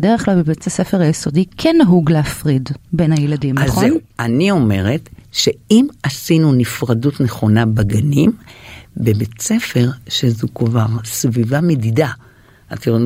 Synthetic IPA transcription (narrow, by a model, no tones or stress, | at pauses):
deʁeχklalbebet͡sesefeʁajeso̞dikʰenaɦuɡleafʁidbe̞nhajeladimaenanio̞me̞ʁetʃe̞imasinunifʁadutneχo̞nabaɡanimbebet͡se̞fe̞ʁʃezukvaʁsvivamedida | atiʁ